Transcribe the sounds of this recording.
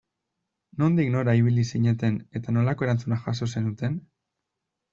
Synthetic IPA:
no̞nd̪ikno̞ɾaiβ̞ilisiɲe̞t̪e̞ne̞t̪ano̞lako̞e̞ɾant͡sunaxaso̞se̞nut̪e̞n

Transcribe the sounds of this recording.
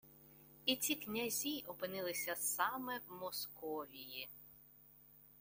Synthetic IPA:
it͡sʲiknʲɐzʲiʔɔpɪnɪlˠɪsʲɐsɑmɛwmɔskɔʋʲiji

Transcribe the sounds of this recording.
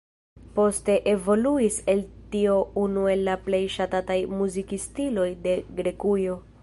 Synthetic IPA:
po̞ste̞ʔe̞vo̞luise̞ltio̞unue̞lːaple̞jʃatatajmuzikistilo̞jde̞ɡɾe̞kujo̞

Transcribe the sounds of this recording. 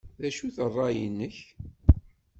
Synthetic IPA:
ðæʃuθərˤːɑjənːəç

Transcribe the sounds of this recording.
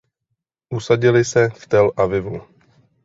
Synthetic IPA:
ʔusaɟɪlɪsɛft̪ɛlʔavɪvu

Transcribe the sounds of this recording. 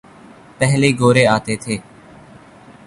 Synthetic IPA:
pɛɦliːɡoːɾeːaːt̪eːt̪ʰeː

